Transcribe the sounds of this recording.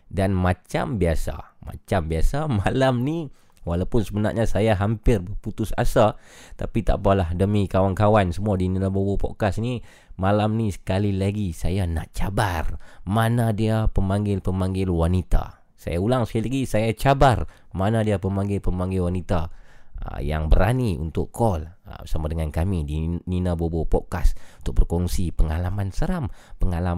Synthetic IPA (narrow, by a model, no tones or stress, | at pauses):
danmat͡ʃa̰mbiasa̰ma̰t͡ʃambiasamalamni | walawpʊnsəbəna̰rʔɲasajaɦampɪrbəput̪ʊsa̰sat̪a̰pit̪a̰ʔpalahdəmikawankawansəmuadinilabowopo̰kasni | malamnisə̥kalilaɡisajana̰ʔt͡ʃabarmanadiapəmaŋɡɪlpəmaŋɡɪlwanit̪a̰ | sa̰jaulaŋsə̥kalilaɡisajat͡ʃabar | manadiapəmaŋɡɪlpəmaŋɡɪlwanit̪a̰ | ja̰ŋbəɾaniṵnt̪ʊʔkʰɔlə̰samadəŋankamidininabobopɔʔkasunt̪ʊk̚bərkɔŋsipəŋalamansəɾampəŋala